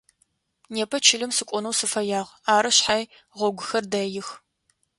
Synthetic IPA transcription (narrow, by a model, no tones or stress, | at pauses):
neːpʰɐt͡ʃʰɪɮɨmsɨkʷʼʊnɐwsɨfɐjaːʁaːɾɨɕħaj | ʁʷɔɡʷʊxɐrdɐjɪx